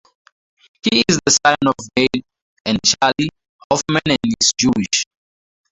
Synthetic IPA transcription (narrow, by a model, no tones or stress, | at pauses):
hiːzðəsãnɔfɡed | ɛ̃nt͡ʃali | hɔfmãnɛ̃nisd͡ʒuiʃ